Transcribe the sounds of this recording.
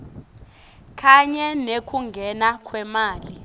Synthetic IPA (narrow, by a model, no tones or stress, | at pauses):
kʰaɲɛnekʰuŋɡʱɛnakʰwɛmaːli